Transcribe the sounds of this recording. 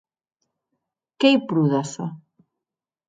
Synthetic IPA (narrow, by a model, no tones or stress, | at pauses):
kejpɾuðasa̰